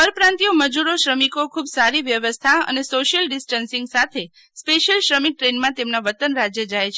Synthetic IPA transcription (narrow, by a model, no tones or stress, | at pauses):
əɾpɾãnt̪ijoməd͡ʒuɾoʃɾəmikokʰubsaɾiʋjəʋəst̪ʰaə̰nesoʃəlɖɪsʈənsĩŋɡsat̪ʰe | speʃəlʃɾəmik̚ʈɾenmãt̪emnaʋət̪ənɾad͡ʒjəd͡ʒajt͡ʃʰe